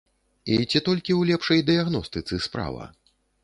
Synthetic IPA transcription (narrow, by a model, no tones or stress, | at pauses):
it͡sʲit̪ɔlʲkʲiwlʲɛpʂɐjd̪ɨjaɣnɔst̪ɨt̪sɨspɾa̰vɐ̰